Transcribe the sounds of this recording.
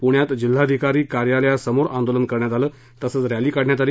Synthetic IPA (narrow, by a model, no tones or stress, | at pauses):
puɳjat̪d͡ʑil̤ːad̪ʱikaɾiːkaɾjaljasəmoɾãnd̪olənkəɾɳjat̪aləː | t̪əsəːt͡sɾjaliːkaɽɳjat̪aɾiː